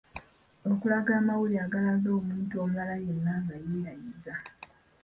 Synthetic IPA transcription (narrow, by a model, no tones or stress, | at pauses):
o̞kulaɡaːmawuliaɡalazo̞ːmuːntuomulalaje̞nːaːŋɡajeːɾajiza